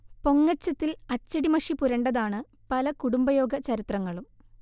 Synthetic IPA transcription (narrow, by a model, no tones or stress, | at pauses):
po̞ŋːɐt͡ɕːɐt̪ːilɐt͡ɕːɐɽimɐʂipuɾɐɳɖɐðaːɳɨ | pɐlɐkuɽumbɐjo̞ːɡɐt͡ɕɐɾit̪rɐŋːɐɭum